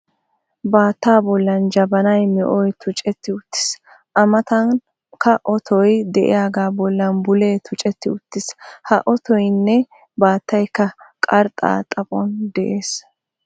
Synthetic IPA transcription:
baːt̪ːaːbɔlːɐnd͡ʒɐbɐnɐjmɛʔɔjt̪ʰʊt͡ʃʼɛt̪ːɪʊt̪ːɪ̥s | ʔɐmɐt̪ɐn | kɐʔɔt̪ʰɔjd̪ɛʔɪ̰jaːɡaːbɔlːɐnbʊleːt̪ʰʊt͡ʃʼɛt̪ːɪʊt̪ːɪshɐʔɔt̪ɔjnːɛ | baːt̪ːɐjkːɐkʼɐɾt̪ʼa̰ːt̪ʼɐpʼɔnd̪ɛʔeːs

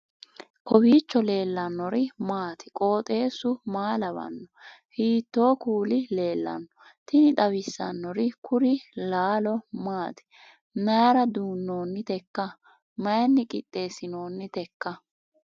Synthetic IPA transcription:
kɔwiːt͡ʃːɔle̞ːlːɐnːɔɾɪmaːt̪ɪ̥kʼo̞ːt̪ʼe̞ːsʊmaːlɐbɐ̰nːɔhiːt̪ːo̞ːkuːlɪle̞ːlːɐ̰nːɔ | t̪ɪnɪᶑ̪ɐwɪsːɐ̰nːɔɾɪkʰʊɾɪlaːlɔmaːt̪ɪ̥ | naːɾɐd̪uːnːo̞ːnːɪt̪ɛkːɐ | mɐjɐnːɪkʼɪ̰t̪ʼːe̞ːsɪno̞ːnːɪt̪ɛkːɐ

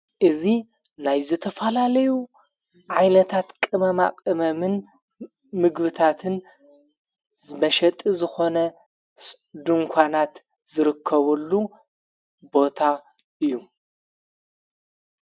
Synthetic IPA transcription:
ʔɨzi | najzɨt̪ʰɐfɐlalɐju | ʕajnɐt̪ʰat̪kʼɨmɐma̰kʼɨmɐmɨn | mɨɡbɨt̪ʰat̪ʰɨn | zmɐʃɐt̪ʼizɨxo̞nɐ | s | d̪uŋkʷʰanat̪ | zɨɾɨkʰːɐβɐlːu | bo̞t̪ʰa | ʔɨjːu

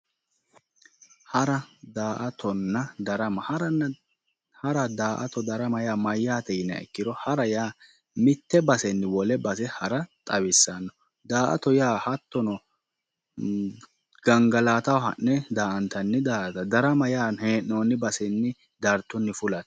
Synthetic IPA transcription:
hɐɾɐd̪aːʔɐt̪ʰɔnːɐd̪ɐɾɐmɐhɐɾɐnːɐ | hɐɾɐd̪aːʔɐ̰t̪ɔd̪ɐɾɐmɐjaːmɐjːaːt̪ɛjɪnːɐ̰ɛ̰kːɪd̪ɔhɐɾɐjaː | mɪt̪ːɛbɐsɛnːɪwɔlɛbɐsɛhɐɾɐt̪ʼɐβɪsːanːɔ | d̪aːʔɐ̰t̪ɔjaːhɐt̪ːɔnɔ | ɡ̥ɐŋɡɐlaːt̪ɐwɦɐ̰nːɛd̪aːʔɐnt̪ɐnːɪd̪aːʔt̪ɐd̪ɐɾɐmɐjaːnheːʔːoːnːɪbɐsɛnːɪ | d̪ɐɾt̪ːɔnːɪfʊlɐt̪

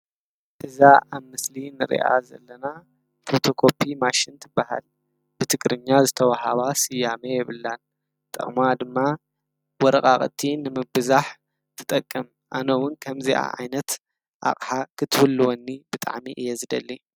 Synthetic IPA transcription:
ʔɨzaʔaβmɨslinɨɾḭʔa̰zɐ̰lːɐna | fot̪ʰo̞kʰo̞pʰimaʃɪnt̪ʰɨbːaha̰l | b̥ɨt̪ʰɨkʼɾɨɲːazɨt̪ʰɐwahaβasɨjamejɛβɨlːan | t̪ʼɐ̰χʼmad̪ɨmːa | wɔɾɐkʼaχʼt̪ʰːinɨmɨbɨzaħ | t̪ʰɨ̥t̪ʼɐkʼːɨm | ʔanɐwʊnkʰɐmziʔa̰ʕa̰jnɐt̪ | ʔa̰χʼħakʰɨt̪ʰwɨlːɨwɔnːib̥ɨt̪ʼa̰ʕmiʔɨjezɨd̪ɐ̰lːi

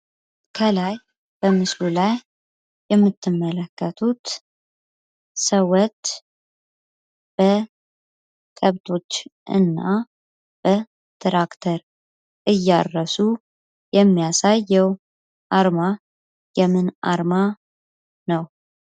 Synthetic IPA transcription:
kʰəlaj | b̥əmɨslulajː | ɛmːɨt̪ʰːɨmːələkːət̪ʰut̪ | səwət̪ | b̥ə | kʼəβt̪ʰo̞t͡ʃːʔɨ̰nːa | b̥ə | t̪ʰɾakt̪ʰəɾ | ʔɨjːarːəsu | jɛmːijasajːɛw | ʔaɾma | jɛmɨnʔa̰ɾma | nəw

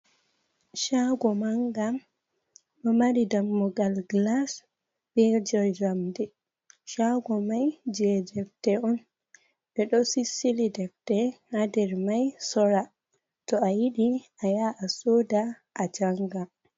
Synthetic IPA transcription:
ʃaɡɔmaŋɡaː | amaɾidamːɔɡalɡlas | bɛd͡ʒɔd͡ʒamdɛ | ʃaɡɔmajd͡ʒɛd͡ʒɛftɛɔn | ɓɛɗɔsisːilidɛftɛhadɛɾmajsɔɾa | tɔajiɗiajaʔːsoːda | ʔad͡ʒaŋɡa

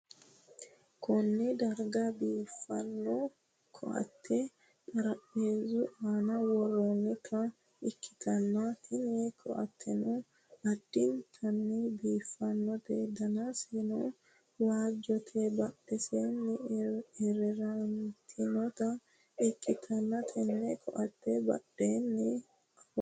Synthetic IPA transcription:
kɔnːɪd̪ɐɾɡɐbiːfːɐnːɔ | kʰɔ̰ʔɐ̰t̪ːɛ | tʼɐɾɐpːeːzʊʔaːnɐwɔrɔnːɛkʰɐ | ɪkːɪ̥t̪ɐnːɐt̪ʰɪnekʰɔ̰ʔɐ̰t̪ʰːɛnɔ | ɐd̪ːɪnt̪ʰɐnːɪbiːfːɐnːɔt̪ɛd̪ɐnasenɔ | waːd͡ʒɔt̪ʰɛbɐɗːɛsenːɛɛɾɛɾɐnt̪ʰɪnɔt̪ɐ | ɪkːɪt̪ʰɐnːɐt̪ʰɛnːɛkʰɔʔɐt̪ːɛbɐ̰ɗeːnːɛ

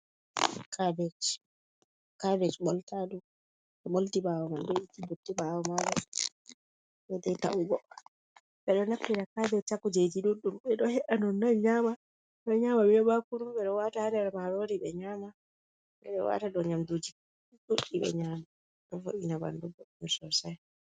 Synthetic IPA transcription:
kʰabɛt͡ʃi̥ | kabɛt͡ʃɓɔltadu | ɓɛɓoltibawɔmandɛitibutːibawɔmaɓɛ | ɓɛdɛta̰ʔuɡɔʔa | ɓɛɗɔnaptːiɾakabɛt͡ʃakːud͡ʒed͡ʒiɗuɗumɓɛɗɔhɛɗanɔnːaɲama | ɓɔɲamaɓɛbakuɾubɛɗɔwatahanɛɾamaɾoɾiɓɛɲaːma | ɓɛɗɔwa̰taɗɔɲamdud͡ʒi | ɗuɗiɓɛ̰ɲama | ɗɔfo̰ʔinaba̰ndubɔɗmɛsɔsaj

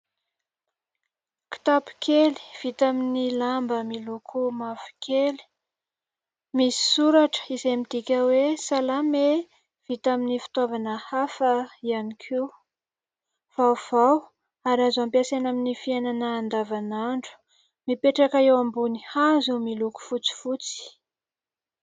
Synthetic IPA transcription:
ki̥t̪api̥kʰeli̥v̥it̪aminilambəmilukʰumavi̥kʰeli̥ | misi̥suɾaʈ͡ʂə̥izemit̪ikʲəwesalame | v̥it̪aminifi̥t̪avanəhafəianikʰiw | v̥awv̥aw | aɾazampiasanaminifiananəːnd̪avanaɳɖ͡ʐu̥ | mipeʈ͡ʂakaewambunihazemiluku̥fut͡si̥fut͡si̥

